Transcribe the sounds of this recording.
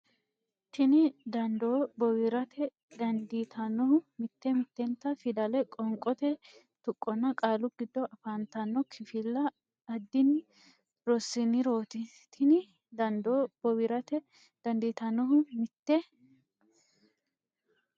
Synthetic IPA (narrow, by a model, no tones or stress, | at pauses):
t̪ʰɪnɪd̪ɐnd̪oːbɔwɪɾɐt̪ʰɛ | d̪ɐnd̪iːt̪ʰɐnːɔhʊmɪt̪ːɛmɪt̪ːɛnt̪ːɐfɪd̪ɐlɛkʼɔŋkʼːɔt̪ɛ | t̪ʊkʼːɔnːɐkʼaːlʊɡ̥ɪd̪ːɔʔɐfaːnt̪ɐnːɔkʰɪfɪlːɐ | ɐd̪ːɪnɪ | ɾɔsːɪnɪɾo̞ːt̪ɪ | t̪ʰɪnɪ | d̪ɐnd̪oːbɔwɪɾɐt̪ɛ | d̪̥ɐnd̪iːt̪ɐnːɔɦʊmɪt̪ːɛ